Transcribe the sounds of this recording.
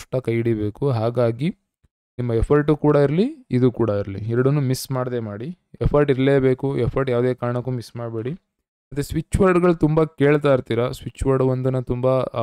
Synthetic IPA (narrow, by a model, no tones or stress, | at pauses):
ʂʈːɐkɐjɽibe̞ːkuɦaːɡaːɡi | nimːɐɛpʰɐɾʈukuːɽɐiɾliid̪ukuːɽɐiɾlḭɛɾɐɽɐnːumismaːɽɐd̪eːmaːɽi | ɛpʰɐɾʈiɾɐleːbe̞ːkuɛpʰɐɾʈjaːʋd̪e̞ːkaːɾɳɐkːuːmismaːɖbeːɽi | ɐt̪ɾesʋit͡ʃːʋɐɾɖɡɐɭut̪umbɐkeːɭt̪aːiɾt̪iːɾɐsʋit͡ʃːʋɐɾɖʋond̪unɐt̪umba